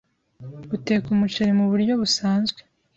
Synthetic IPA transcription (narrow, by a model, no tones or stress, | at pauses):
ɡute̞ːkumut͡ʃeɾemuβuɾɟo̞βusaːnzɡwe̥